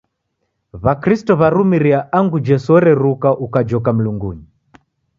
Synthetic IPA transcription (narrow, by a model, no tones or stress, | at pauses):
βakɾistɔβaɾumiɾiaʔaŋɡud͡ʒɛsɔɾɛɾukaʔukad͡ʒɔkam̩luŋɡuɲi